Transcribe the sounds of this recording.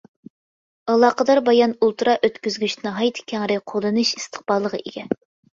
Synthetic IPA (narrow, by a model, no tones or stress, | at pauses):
ɑlˠɑːqəd̪ɑɾbɑjɑnulˠt̪ɨɾɑʔøt̪kʲyzɡʲyʃnɨɦɑjt̪ʰkʲʰæŋɾɪqʰod̪ˠɨnɨʃist̪ʰə̥χb̥ɑlˠːəʁə̰ʔḭɡʲɛ